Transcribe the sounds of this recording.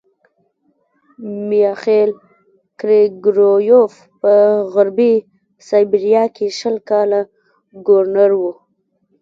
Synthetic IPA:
mijɑxel | kɾeɡɾojof | pəɣʊɾbi | sɑjbiɾjɑkeʃəlkɑla | ɡoɾnaɾwu

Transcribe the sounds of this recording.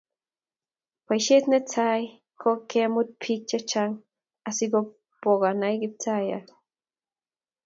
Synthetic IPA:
pajʃet̪net͡saj | kʰokemut̪̚pʰik̚t͡ʃat͡ʃaŋ | asiɡo | poɣɑnajɡip̚t͡saja̰t̪

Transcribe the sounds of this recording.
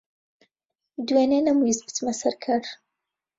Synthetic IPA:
d̪weːnenɐmujizbɨ̥t̪mɐsɐɾkʰɐɾ

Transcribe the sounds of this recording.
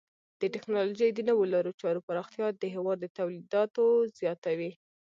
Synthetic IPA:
d̪̥əʈɪknɑloʒəjd̪ənəwolaɾot͡ʃɑɾopaɾɑxt̪jɑd̪əɦewɑd̪ːət̪awlid̪ɑt̪ozjɑt̪awi

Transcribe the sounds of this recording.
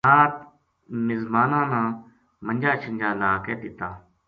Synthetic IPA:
aːt̪ | mɪzbaːnãːnãː | mənʲd͡ʒaːt͡ʃʰənd͡ʒaːlaːkɛːd̪ɪt̪aː

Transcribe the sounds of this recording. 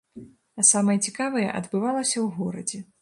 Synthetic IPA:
ɐsamɐjɐt͡sʲikavɐjɛ̰ʔɐ̰d̪bɨvalˠɐsʲɐwɣɔɾɐ̰d͡zʲɛ

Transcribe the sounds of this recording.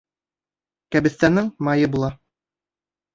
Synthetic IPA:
kæbɘ̆θt̪ænɘŋmɑjɤbulˠɑ

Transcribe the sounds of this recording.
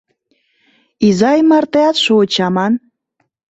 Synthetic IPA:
izɑjmɑrt̪eɑt̪ʃot͡ɕɑmɑn

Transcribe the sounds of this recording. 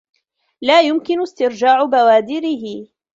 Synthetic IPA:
laːjʊmkɪnʊst̪ɪɾd͡ʒaːʕʊbawaːd̪ɪɾɪɦɪ

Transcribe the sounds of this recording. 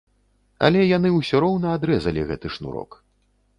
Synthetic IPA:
ɐ̰lʲɛjanɨuwsʲɔɾɔwnɐad̪ɾɛzɐlʲiɣɛ̰t̪ɨʂnṵɾɔ̰k

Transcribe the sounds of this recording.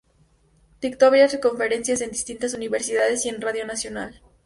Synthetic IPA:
t̪ik̚t̪oβjaseko̞ɱfe̞ɾe̞nsjase̞nd̪ist̪int̪as̬uniβe̞ɾsiðaðe̞sie̞nraðjo̞nasjo̞nal

